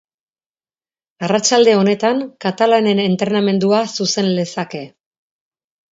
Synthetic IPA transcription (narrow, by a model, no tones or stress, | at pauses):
arat͡ʃald̪e̞o̞ne̞t̪aŋkat̪alane̞ne̞nt̪ɾe̞name̞nd̪uasuse̞nle̞sake̞